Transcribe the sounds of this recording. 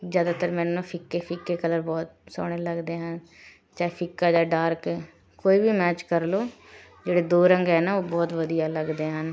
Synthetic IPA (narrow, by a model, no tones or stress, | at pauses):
zjaːd̪aːt̪əɾmɛːnːõːpʰɪkːeːpʰɪkːeːkələɾbɔːt̪sɔ̰ːɽ̃eːləɡd̪eːɦən | t͡ʃaːepʰɪkːaːd͡ʒaːɖaːɾke | koːiːbiːmɛːt͡ʃkəɾloː | d͡ʒeːɽeːd̪oːɾəŋɡɦɛːnaːoːbɔːt̪ʋəd̪ijaːləɡd̪eːɦən